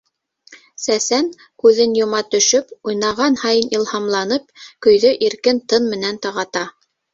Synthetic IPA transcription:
sæsæŋ | kʉðɘnjŏmɑt̪ɵ̆ʃɵpujnɑʁɑnhɑjɤnilˠhɑmlˠɑnɤp̚kɵ̆jðɵʔiɾkɘnt̪ɤnmɘ̆nænt̪ɤ̆ʁɑt̪ɑ

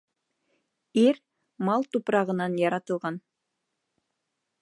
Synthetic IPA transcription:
iɾ | mɑlˠt̪upɾɑʁɤ̆nɑnjɑɾɑt̪ɤ̆lˠʁɑn

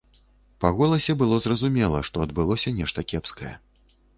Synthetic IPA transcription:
paɣɔlˠɐsʲɛbɨlˠɔzrɐzumʲɛlˠɐʂt̪ɔɐd̪̚bɨlˠɔsʲɐnʲɛʂt̪ɐkʲɛpskɐjɛ̰

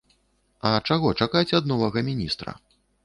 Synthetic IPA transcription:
ɐt͡ʂaɣɔt͡ʂakajt͡sʲad̪̚nɔvɐɣɐmʲinʲist̪ɾɐ̰

